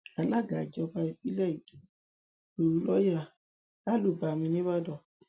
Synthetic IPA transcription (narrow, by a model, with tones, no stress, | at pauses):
a˨la˦ɡa˨d͡ʒɔ˦ba˧e˨pi˦lɛ˦i˨d | bu˨lɔ˦ja˦ | a˦lu˨ba˨mi˨ni˦βa˦dɔ˨